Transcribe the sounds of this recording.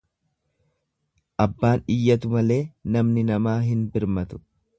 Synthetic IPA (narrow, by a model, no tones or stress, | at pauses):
ʔɐbːaːnɪjːɐt̪̬ʊmɐle̞ːnɐmnɪnɐmaːɦɪnbɪɾmɐt̪ʊ̥